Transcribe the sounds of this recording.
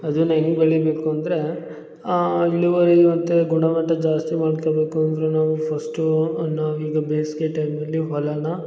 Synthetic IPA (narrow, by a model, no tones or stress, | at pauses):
ɐd̪unɐnibɐɭibeːkuɐnd̪ɾe̞ | ilːuʋɐɾimɐt̪ːeɡuɳɖɐmɐʈːɐd͡ʒaːst̪imaːɖkobe̞ːkuɐnd̪ɐɾenaːʋupʰɐsʈunaːʋuiːɡɐbeːskeʈɐjmɐlːiɦɔlɐnɐ